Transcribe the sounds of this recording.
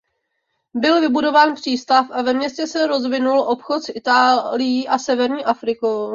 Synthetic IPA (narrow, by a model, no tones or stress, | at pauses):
bɪlvɪbudo̞vaːnpr̝̥iːst̪afʔavɛmɲɛscɛsɛɾo̞zvɪnulʔo̞pxot̪sʔɪt̪aːlɪjiːʔasɛvɛɾɲiːʔafɾɪkow